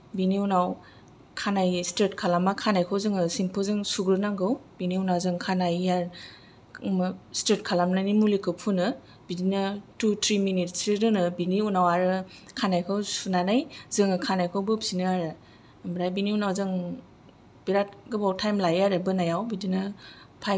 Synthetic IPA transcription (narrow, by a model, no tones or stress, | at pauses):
biniunaw | kʰanajsteɾtkʰalamakʰanajkʰɯwzɯŋɯsimpʰɯzɯŋsuɡɾɯnaŋɡɯwbiniunawzɯŋkʰanajjaɾ | steɾt̚kʰalamnajnimulikɯpʰunɯ | b̥idinɯtutʰɾiminitsɾɯnɯbiniunawaɾɯkʰanajkʰɯwsunanajzɯŋɯkʰanajkʰɯwbɯbsinɯaɾɯ | mbɾajbiniunawzɯŋ | b̥iɾat̚ɡɯbawtʰajmlajaɾɯbɯnajawbidinɯ | pʰaj